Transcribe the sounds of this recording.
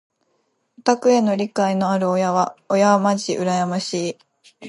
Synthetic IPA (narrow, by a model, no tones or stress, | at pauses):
ot̪akɯ̟e̞no̞ɾʲikaino̞aɾɯ̟ojaβaojamaʑiʔɯ̟ɾajamaɕiː